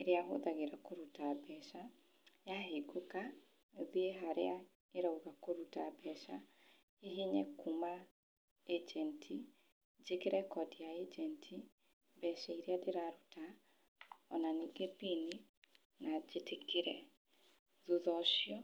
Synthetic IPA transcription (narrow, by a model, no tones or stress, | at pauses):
eɾeaɦo̰ðaɣeɾakoɾutabɛʃa | jaɦeɡoka | ðieɦaɾea | eɾauɣakoɾutabɛʃa | eɦeɲɛkuma | ed͡ʒɛntʰi | d͡ʒekeɾɛkɔdijaed͡ʒɛntʰi | bɛʃaiɾeadeɾaɾuta | ɔnaniɡebini | nad͡ʒetʰekiɾɛ | ðuðɔʃjɔ